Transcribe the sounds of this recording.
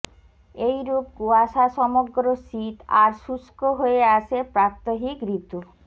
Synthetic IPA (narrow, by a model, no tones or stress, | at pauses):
ejɾub̚ɡuaʃaʃɔmoɡɾoʃit̪aɾʃuskoɦoeaʃepɾap̚t̪oɦikɾit̪u